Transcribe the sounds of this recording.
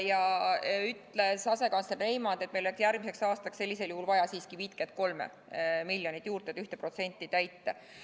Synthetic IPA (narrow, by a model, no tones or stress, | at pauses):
jɑyt̪lesɑse̞kɑnslerːe̞jmɑnd̪e̞t̪melolæeksjæɾɡ̥̚mise̞ksɑːst̪ɑkse̞lʲːiseljuhulvɑjɑsiːskivit̪ket̪̚ko̞lmḛ | milʲjonit̪ːˑjuːrt̪et̪yht̪epro̞t̪se̞nʲt̪ːˑit̪æjt̪ˑːe